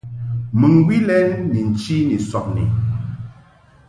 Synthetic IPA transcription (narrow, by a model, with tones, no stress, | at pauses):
mɨ˨ŋɡwi˦lɛ˦nni˨n̩˨t͡ʃi˦ni˨sɔ˨p̚nḭ˨